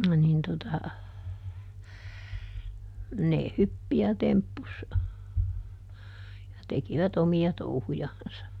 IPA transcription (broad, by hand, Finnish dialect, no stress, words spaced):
nin totɑ ne hypːi jɑ tempːus jɑ tekiʋæt omiɑ touhujɑnsɑ